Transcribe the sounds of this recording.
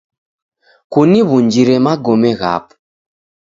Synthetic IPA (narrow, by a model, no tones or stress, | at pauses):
kuniβuɲd͡ʒiɾɛmaɡɔmɛɣa̰p